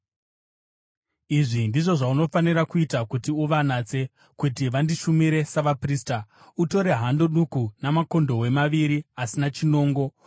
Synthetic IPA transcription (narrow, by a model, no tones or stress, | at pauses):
iʐindiʐo̞ʐauno̞fanirakuitakutiuʋanat͡se̞ | kutiʋandiʃumiɾe̞saʋaprista | uto̞ɾe̞ɦando̞ɗukunamako̞ndo̞we̞maʋiɾiasinat͡ʃino̞ːŋɡo̞